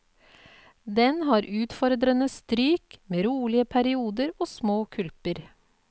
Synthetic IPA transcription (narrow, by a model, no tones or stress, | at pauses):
d̪ɛnhɑːɾʔʉːt̪fɔɾd̪ɾənəst̪ɾyːkmeːɾuːlɪəpʰæɾɪuːd̪əɾoːsmoːkʰʉlpəɾ